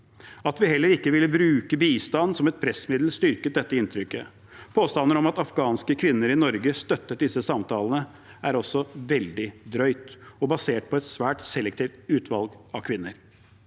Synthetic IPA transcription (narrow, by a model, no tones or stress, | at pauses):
ɑt̪ʋɪhɛlːəɾɪkːəʋɪlːəbɾʉːkəbiːst̪ɑnːsɔmɛt̪̚pʰɾɛsmɪd̪l̩st̪ʏɾkət̪̚d̪ɛt̪ːəɪnt̪ʰɾʏkːə | pʰoːst̪ɑnːəɾɔmɑt̪ɑfɡɑːnskəkʰʋɪnːəɾɪnɔɾɡəst̪œt̪ːəʈ̪̚d̪ɪsːəsɑmt̪ʰɑːlənə | æɾɔsːɔʋɛld̪ɪd̪ɾœʏt̪ɔbɑseːʈ̚pʰɔɛt̪sʋæːʈsɛlɛkt̪ʰiːʋft̪ʉːt̪ʰʋɑlɡɑkʰʋɪnːəɾ